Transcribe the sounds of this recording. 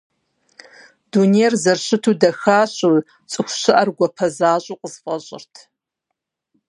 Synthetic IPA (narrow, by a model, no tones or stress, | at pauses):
duneːrzɐrɕɨtʰuːdɐxaːɕʼuː | t͡sʼɨxʷʊɕɪʔɐrɡʷɔpʰɐzaːɕʼuːqʼəz̥fʼɐɕʼɪ̰rtʰ